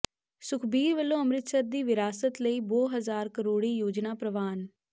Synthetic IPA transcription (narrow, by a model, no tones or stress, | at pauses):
sʊkʰbiːɾʋəlːõːəmɾɪt̪səɾd̪iːʋɪɾaːsət̪ləiːboːɦəzaːɾkəɾoːɽiːjoːd͡ʒnaːpɾəʋaːn